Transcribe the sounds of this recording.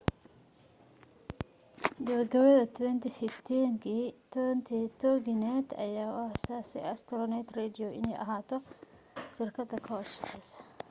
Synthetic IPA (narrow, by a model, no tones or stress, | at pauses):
ɡɐɾɡɐwɐðɐt̪ʰwɛnt̪ifɪft̪ʰiŋkʰit̪ʰɛnt̪ʰit̪ʰɔːɡɪnɛːd̪ɐ̰jaːwɐhsaːsɛɐst̪ʰɔɾɔnɛt̪rɛd̪ɪɔɪ̰nɛjʔɐ̰ɦaːt̪ʰɔ | ʃɪrkʰɐd̪ɐkʰɐɔsʰɛs